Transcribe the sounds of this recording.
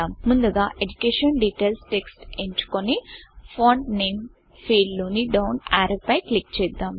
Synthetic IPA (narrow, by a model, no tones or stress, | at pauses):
aːmːund̪uɡaːʔed͡ʒukeːʂɐnɖiʈeːlsʈeksʈeɲt͡ʃu̥konipʰoːɳʈneːm | fʰiːɖloːniɖɐwnaːɾɐpɐjklik̚t͡ʃɛːd̪ːaːm